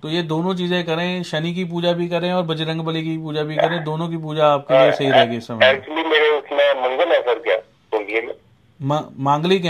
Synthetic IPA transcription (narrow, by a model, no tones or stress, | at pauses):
t̪oːjed̪oːnõt͡ʃiːzẽkɐɾẽʃɐnik̬ip̬uːd͡ʒabʱikɐɾẽɔːɾbɐd͡ʒɾɐ̃ŋɡbɐlik̬ipuːd͡ʒabʱikkɐɾẽd̪oːnõk̬ipuːd͡ʒaaːp̚kiesɐɦiɾɛɦeɡiʊsːɐmɛɛːk̚t͡ʃuəlimeːɾeʊsnamɐ̃ŋɡəlɛːsəɾkijaː | koːbieme | mãmãːŋɡlik̬